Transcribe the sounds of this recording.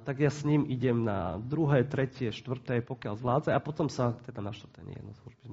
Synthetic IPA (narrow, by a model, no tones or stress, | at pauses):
t̪aɡjasɲimʔiɟɛmna̰d̪ɾuɦɛːt̪ɾɛcɪɛʃt̪ʋr̩t̪ɛjpɔkɪalzʋlaːd̪d͡zɛapɔt̪ɔmsat̪ɛd̪anaʃt̪vrt̪ɛ̰ɲ̰jɛ̰d̪nɔ̰slˠuʒbizm